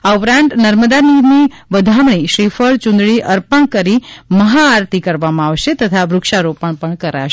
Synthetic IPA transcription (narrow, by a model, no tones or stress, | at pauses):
aupɾãnt̪nəɾməd̪aniɾniʋəd̪ʱamɳiʃɾifəɭt͡ʃʊ̃nd̪ɭiʔəɾpəɳkəɾiməɦaːɾt̪ʰikəɾʋamãaʋʃet̪ət̪ʰaʋɾʊkʃaɾopəɳpəɳkəɾa̰ʃ